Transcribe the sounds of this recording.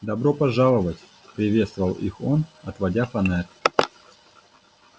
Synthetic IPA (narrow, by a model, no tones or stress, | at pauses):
d̪ɐbɾo̞pɐʐalˠəvətʲ | pɾʲɪvʲe̞t̪st̪vəvəlˠḭxo̞nɐt̪vɐdʲafɐnɛr